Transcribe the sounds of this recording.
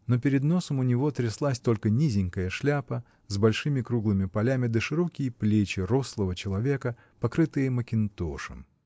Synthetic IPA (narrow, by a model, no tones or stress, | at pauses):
no̞pʲɪɾʲɪd̪no̞səmʊnʲɪvo̞t̪ɾʲɪslˠasʲt̪o̞lʲkənʲizʲɪŋʲkəjəʂlʲapə | zbɐlʲʂɨmʲɪkɾuɡlˠɨmʲɪpɐlʲamʲɪd̪əʂɨɾo̞kʲɪjəplʲet͡ɕɪro̞slˠəvət͡ɕɪlˠɐvʲekə | pɐkɾɨt̪ɨjəməkʲɪnt̪oʂə̰m